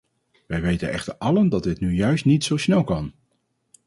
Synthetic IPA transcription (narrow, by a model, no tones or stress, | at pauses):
ʋɛjʋejtə̰nɛχtəɹɑləndɑt̚dɪtnyjœɥstnitsowsnɛlˠkɑn